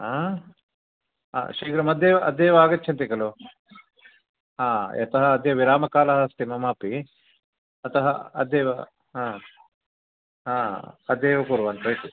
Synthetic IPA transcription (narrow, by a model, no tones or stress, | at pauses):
ɦaː | ɦa̰ːʃiːɡɾɐmɐd̪jeːʋɐʔɐd̪ːeːʋaːɡɐtːt͡ʃʰɐnt̪ikɐlo | ɦaːʔɐ̰t̪ɐɦɐːd̪jɐʋiɾaːmɐkaːlɐɦɐst̪imɐmaːpi | ɐt̪ɐɦɐ̰ɐ̰d̪jɛːʋɐ̰ | ɦaː | ɦaːɐd̪eɛːʋɐkuːɾʋɐnt̪ɐit̪i